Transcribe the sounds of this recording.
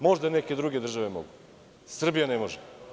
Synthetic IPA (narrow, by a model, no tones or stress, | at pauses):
mo̞ʒd̪aneke̞d̪ɾuɡed̪r̩ʒaʋemo̰ɡu | sr̩bijanemoʒe